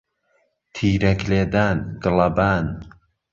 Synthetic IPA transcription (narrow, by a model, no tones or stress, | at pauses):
t̪ʰiːɾɐkleːd̪aːnɡɨlɐbaːn